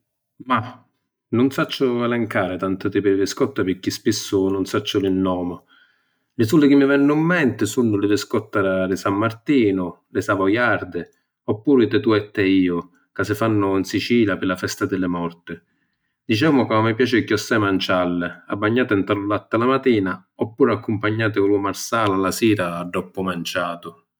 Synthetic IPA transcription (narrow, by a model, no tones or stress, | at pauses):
ma | nʊnsat͡ʃːʊalɛŋkaːɾɪt̪ant̪ʊt̪ɪpɪɾvɪskɔt̪ːapɪkːispisːʊnʊnsat͡ʃːʊlɪnːɔːmʊ | lɪsulːɪk̟ɪmːɪvɛnːʊimːɛnt̪ɪsunːʊlɪvɪskɔt̪ːaɾalɪsamːart̪iːnʊlɪsaːvajaɾd̪ɪ | ɔpːuːɾit̪ɛt̪uɛt̪ːɛiːʊ | kasɪfanːʊinsit͡ʃiːljapɪlafɛst̪ad̪ɪlːɪmɔrt̪ɪ | d̪it͡ʃɛːmʊkaamːɪpjaːt͡ʃɪkjɔsːɛmant͡ʃalːɪabːaɲːaːt̪ɪnt̪alʊlat̪ːalamat̪iːna | ɔpːuːɾakːʊmpaɲːaːt̪̬ɪkʊlumarsaːlalasiːɾaːɖːɔpːʊmant͡ʃaːt̪ʊ